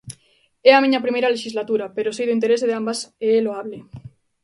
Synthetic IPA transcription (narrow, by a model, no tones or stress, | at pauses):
eamĩɲapɾimejɾaleʃizlat̪uɾapeɾosejðoint̪eɾesðeambaseeloaβle